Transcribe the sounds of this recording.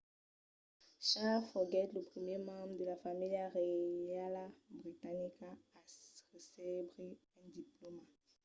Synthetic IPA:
ʃafɔɡɛt̪ləpχəmjemɑ̃bʁd̪əlafamilaʁealabʁit̪anikaː | ʁəselebʁeɛ̃d̪iploma

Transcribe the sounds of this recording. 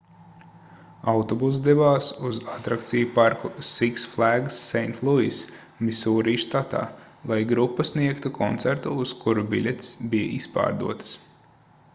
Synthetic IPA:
awt̪ɔbus̬d̪ɛvaːsuzat̪ɾakt̪sijupaɾkusiksflˠæɡsːɛjnt̪ʰlˠuis | misuːɾiːʃt̪at̪a̰ː | lˠajɡɾupːɐsniɛkt̪ukʰɔnt̪sæɾt̪uːskuɾubilʲɛt̪sbijɐ̰ʔispa̰ːɾd̪ṵɔt̪s

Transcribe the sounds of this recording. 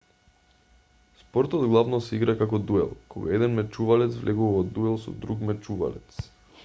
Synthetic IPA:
spɔɾt̪ɔd̪ɡlˠavnɔsɛiɡɾakakɔd̪uɛ̰lˠkɔɡa̰ɛd̪ɛnmɛt͡ʃuvalɛt̪svlʔɛɡuvaɔd̪uɛlˠsɔ̰d̪ɾukmɛt͡ʃuva̰lɛt̪s

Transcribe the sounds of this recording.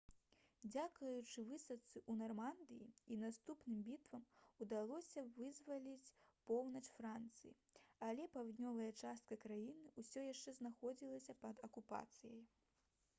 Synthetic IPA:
d͡zʲakɐjut͡ʂɨvɨsɐt̪sɨʔunarmand̪ɨjiinast̪upnɨmbʲit̪vɐmud̪alˠɔsʲɐvɨzvɐlʲit͡sʲpɔwnɐt͡ʂfɾant̪sɨjḭɐlʲɛpawd̪ʲnʲɔvɐjɐt͡ʂast̪̚kɐkɾajinɨusʲɔjaʂt͡ʂɛznaxɔd͡zʲilˠɐsʲɐpɐd̪ɐkupa̰t̪sɨjɐj

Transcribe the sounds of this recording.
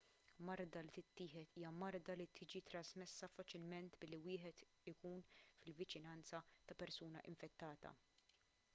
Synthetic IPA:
mɐɾd̪ɐlit̪ɪt̪ːɪːħɛt̪iːjɐmɐɾd̪ɐlit̪ʰɪːd͡ʒit̪ɾɐzmɛsːɐfɐt͡ʃɪlmɛnt̪bɪlːiwɪːħɛt̪ | ɪkuːnfɪlvɪt͡ʃɪnɐnt͡sɐt̪ɐpɛɾsuːnɐʔɪɱfɛt̪ːɐːt̪ɐ̰

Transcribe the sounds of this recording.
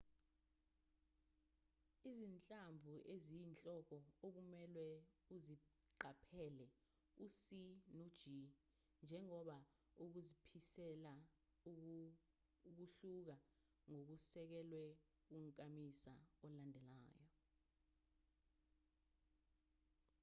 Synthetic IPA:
izint͡ɬʼambvʱuʔezijint͡ɬʼɔk̬ɔok̬umɛlwɛuzi | ǃapʰɛlɛ | usinod̥ʒ̥ʱi | nd͡ʒʱɛŋɔɓa | uk̬uzipʰisɛla | k̬uɬuk̬a | ŋok̬usɛk̬ɛlwɛ | k̬uŋkʼamisa̰ɔlandʱɛla̰ːjɔ

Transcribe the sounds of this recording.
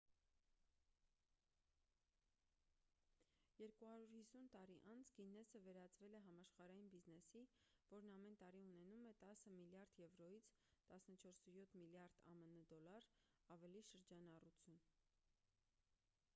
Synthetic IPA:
jɛɾkuhɑɾuɾhisunt̪ɑɾiʔɑnt͡sʰɡinɛsəvɛɾɑt͡svɛlɛɦɑmɑʃχɑɾɑjinbiznɛsivɔɾnɑmɛnt̪ɑɾiunɛnumɛt̪ɑsəmiljɑɾd̪jɛvɾɔjit͡sʰ | t̪ɑsnət͡ʃʰɔɾsəjɔt̪ʰmiljɑɾd̪̥ɑ̰mənəd̪ɔlɑɾɑvɛliʃəɾd͡ʒɑnɑrut͡sʰjun

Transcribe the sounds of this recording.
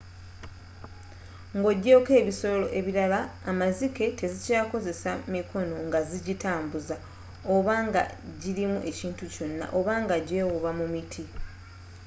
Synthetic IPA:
ŋɡo̞ɟːo̞ːke̞ːβiso̞lo̞̰ʔe̞βiɾalaːmazike̞te̞zicaːko̞ze̞samikʰo̞no̞ŋɡaziɟitaːmbuza | o̞βaŋɡa̰ɟiɾimuʔe̞ciːntuco̞nːa̰ʔo̞βaŋɡaɟeːwuβamumitʰi

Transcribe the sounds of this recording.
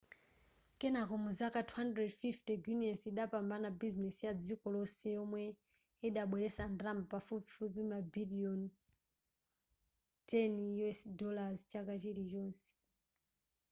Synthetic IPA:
kɛnakɔmuzakatʰuhandɾɛdfiftɛɡjuniansiɗapambanabiznɛsjad͡zikɔlɔsɛjɔmwɛ | iɗaɓwɛɾɛsandrambpafupifupimabiliɔn | tɛnɛsdɔlazt͡ʃakat͡ʃiɾit͡ʃɔːnsɛ̥

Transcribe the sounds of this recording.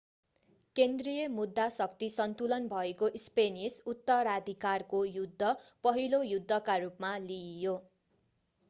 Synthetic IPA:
kend̪rijʌmud̪ːasʌk̚t̪isʌnt̪ulʌnbʱʌekoʔspenisut̪ːʌɾad̪ʱikarkojud̪ʱːʌpʌɦilojud̪ʱːʌkaɾupmalijo

